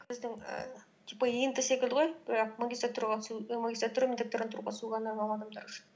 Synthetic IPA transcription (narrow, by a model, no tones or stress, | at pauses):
kʰɪzd̪ɪŋə̰ | t̪ʰipːɑjijənt̪əse̞kʲɪld̪ɪʁojb̥ɾɑq̚maɡʲist̪at̪ːuɾʁɑmaɡʲist̪ɾat̪uɾəmʲɪt̪at̪ːuɾənt̪ʰʊɾuːʁɑsuʁɑnɑɑlˠɑd̪ɑmd̪ɑɾʃ